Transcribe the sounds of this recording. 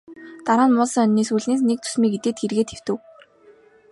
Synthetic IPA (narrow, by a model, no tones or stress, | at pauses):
t̪aɾaːnmʊːsə̆ŋœnːiːsuɮneːs̬nek̚t͡sʰu̥smiːɡet̪eːt̪xerɣeːt̪ʰew̥t̪ɘ̆w